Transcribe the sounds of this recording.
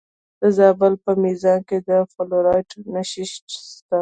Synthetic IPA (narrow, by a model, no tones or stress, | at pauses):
d̪̥əzɑbəlpəmizɑnked̪əfoloɾɑjʈnaʃɪʃʈst̪a